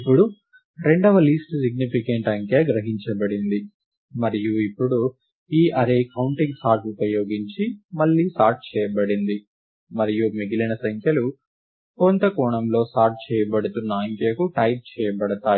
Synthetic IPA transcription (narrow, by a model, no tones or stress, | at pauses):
ipːuɽu | ɾe̞ɳɖɐʋɐliːsʈsiɡ̚nipikɐɳʈɐŋkjaɡɾɐɦiɲt͡ʃɐbɐɽind̪i | mɐɾijuipːuɽu | iːʔɐɾekɐwɳʈiŋɡsaːɾʈupɐjo̞ːɡiɲt͡ʃimɐɭːiːsaːɾʈ̚t͡ʃɛːjɐbɐɽind̪i | mɐɾijumiɡilɐnɐsɐŋkʰjɐlu | kont̪ɐkɔːɳɐmlo̞ːsaːɾʈ̚t͡ʃɛːjɐbɐɽut̪unːɐɐŋkjɐkuʈɐjp̚t͡ʃɛːjɐbɐɽɐt̪aː